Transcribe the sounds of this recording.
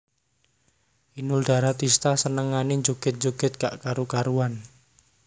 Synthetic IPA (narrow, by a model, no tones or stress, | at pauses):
ʔinuld̪̥a̤ɾat̪ist̪asənəŋaneɲd͡ʒoɡ̥ɛ̤t̪̚ɲd͡ʒoɡ̥ɪ̤t̪̚ka̰ʔkaɾokaɾuwan